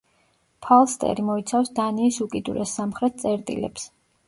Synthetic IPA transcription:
pʰalˠst̪ʼɛ̰ɾimɔit̪sʰafsd̪aniːsukʼid̪uɾɛsːamχɾɛt̪̚ʰt̪sʼɛɾt̪ʼḭlɛ̰ps

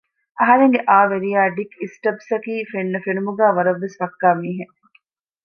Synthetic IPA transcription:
ʔɐɦɐɾeŋɡeʔaːʋeɾijaːɖikisʈɐbsɐkiːfenːɐfenumuɡæːʋɐɾɐʋːesʋɐkːaːmiːɦe

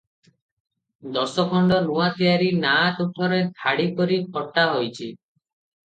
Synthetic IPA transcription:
d̪ɔsɔkʰɔɳɖɔnuat̪iaɾinat̪ut̪ʰɔɾet̪ʰaɽipɔɾikʰɔʈaɦojt͡ʃʰi

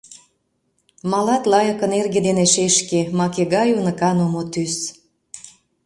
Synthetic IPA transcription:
mɑlɑt̪lɑjɤkənerɡed̪eneʃeʃkemɑkeɣɑjunə̆kɑnomot̪ys

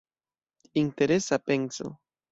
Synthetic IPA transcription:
int̪e̞ɾesapenso̰

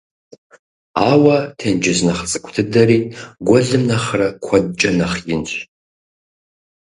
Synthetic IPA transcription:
awatʰend͡ʒɪznaχt͡sʼɨkʷʰʼtʰɨdaɾiːɡʷaɮɨmnaχrakʷʰad̚t͡ʃʼɐnaχjɪnɕʷ

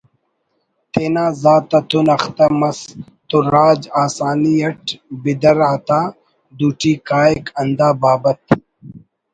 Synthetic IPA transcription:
t̪eːnaːzaːt̪ɐt̪unɐxt̪ɐmɐs | t̪uɾaːd͡ʑaːsaːniɐʈbid̪ɐɾaːt̪aː | d̪uːʈiːkaːekɐnd̪aːbaːbɐt̪

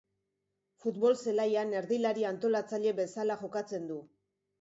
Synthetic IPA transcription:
fut̪βo̞lse̞lajane̞ɾðilaɾiant̪o̞lat͡saʎe̞βe̞salaʝo̞kat͡se̞nd̪u

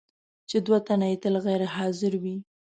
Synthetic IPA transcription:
t͡ʃed̪wat̪anaet̪əlɣajɾeɦɑzɪɾwi

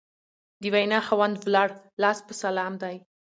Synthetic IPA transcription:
d̪əwajnɑxawand̪wlɑɽlɑspəsalɑmd̪aj

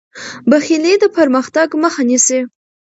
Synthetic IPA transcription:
baxiled̪əpəɾməxt̪aɡməxanisi

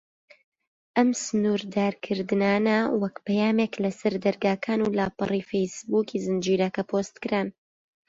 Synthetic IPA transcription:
ʔɐmsɨnuːɾd̪aːɾkʰɨɾd̪ɨnaːnɐwɐkpɐjaːmeklɐsɐɾd̪ɐɾɡaːkʰaːnulaːpɨ̰riːfejsbuːkiːzɨnd͡ʒiːɾɐkɐpʰoːst̪kɨɾaːn

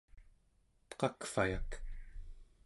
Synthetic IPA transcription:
t̪qɑkfajak

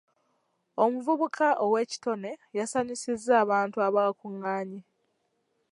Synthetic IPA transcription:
o̞muvuβukʰaʔowe̞ːci̥to̞ne̞jasaɲisizːaːβaːntuaβaakuŋːaːɲi

